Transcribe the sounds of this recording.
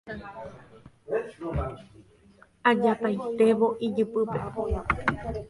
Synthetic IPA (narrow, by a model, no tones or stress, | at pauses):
ad͡ʒapajt̪e̞ʋo̞ʔid͡ʒɨpɨpḛ